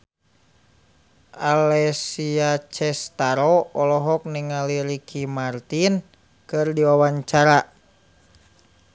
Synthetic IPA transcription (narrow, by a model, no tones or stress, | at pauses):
ʔalɛsiat͡ʃɛst̪aɾɔɔlɔɦɔk̚niŋaliɾikʰimart̪in | kɨrdiwawaɲt͡ʃaɾa